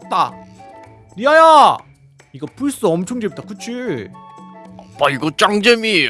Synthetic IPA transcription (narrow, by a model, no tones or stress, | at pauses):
t͈a | niaja | iɡʌpʰuɭs͈uʌmt͡ɕʰoŋd͡ʑebit͈akɯt͡ɕʰi | paiɡʌt͡ɕ͈aŋd͡ʑemi